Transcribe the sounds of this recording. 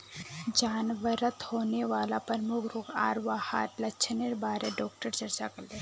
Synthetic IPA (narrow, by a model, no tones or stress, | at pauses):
d͡ʒaːnʋəɾət̪hoːneʋaːlapəɾmʊkʰɾʊkʰa̰ːɾʋaːha̰ːɾlɐt͡ʃʰneɾbaːɾeɖɔːk̚ʈəɾt͡ʃɐɾt͡ʃakɐɾle